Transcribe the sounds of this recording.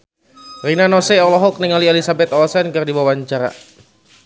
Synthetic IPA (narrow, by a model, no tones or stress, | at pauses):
rinanɔsɛɔlɔɦɔk̚niŋɔlielisabɛt̪ɔɔsankɨrdiwawaɲt͡ʃaɾa̰